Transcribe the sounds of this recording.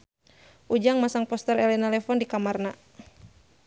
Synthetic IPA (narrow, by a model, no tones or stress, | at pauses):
ʔud͡ʒaŋmasaŋpɔst̪ɛɾɛlɛnalɛfɔndikamarna